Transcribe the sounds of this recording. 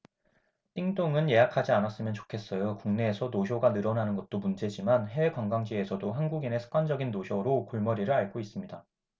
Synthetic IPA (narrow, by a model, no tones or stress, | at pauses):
t͈iŋdoŋɯnje̞jakʰad͡ʑianas͈ɯmjʌnt͡ɕo̥kʰe̞s͈ʌjokuŋne̞ːsʰʌnoɕʰjoɡanɯɾʌnanɯnɡʌt̚t͈omund͡ʑe̞d͡ʑimanɦekwaŋɡaŋd͡ʑie̞sʰʌdoɦanɡuɡine̞sʰɯ̥k͈wand͡ʑʌɡinːoɕʰjʌɾokoɭmʌɾiɾɯɭaɭɡois͈ɯmɲida